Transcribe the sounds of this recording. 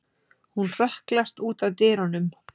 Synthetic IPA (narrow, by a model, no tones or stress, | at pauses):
hunr̥ɛhklast̪uːt̪aðt̪ɪːɾɔnʏm